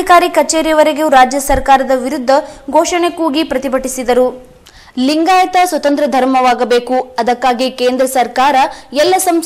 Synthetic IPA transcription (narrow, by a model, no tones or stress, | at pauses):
ikaːɾikɐt͡ʃeːɾijɐʋɐɾeɡeuɾaːd͡ʒjɐsɐɾkaːɾɐd̪ɐʋiɾud̪ʱːɐɡʱɔːʂɐɳekuːɡipɾɐt̪ibʱɐʈisid̪ɐɾu | liŋɡaːjɐt̪ɐsʋɐt̪ɐnt̪ɾɐd̪ʱɐɾmɐʋaːɡɐbe̞ːkuɐd̪ɐkːaːɡikeːnd̪ɾɐsɐɾkaːɾɐɛlːɐsɐm